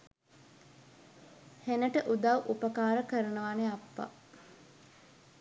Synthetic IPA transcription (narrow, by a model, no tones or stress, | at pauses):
henəʈəʔud̪awʔupəkaːɾəkəɾənəʋaneapːa̰